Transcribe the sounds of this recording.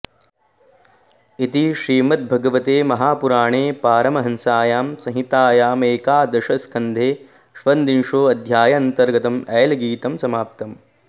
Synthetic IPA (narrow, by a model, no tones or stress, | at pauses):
it̪iʃɾiːmɐt̪̚bʱɐɡɐʋɐt̪eːmɐɦaːpuɾaːɳeːpaːɾɐmɐɦɐnsaːjaːmsɐ̃ɦit̪aːjaːmeːkaːd̪ɐʃɐskʰɐnd̪ʱeː | ʃʋɐnd̪inʂoːɐd̪ʱjaːjɐɐnt̪ɐɾɡɐt̪ɐmɛjɐlɐɡiːt̪ɐmsɐmaːp̚t̪ɐm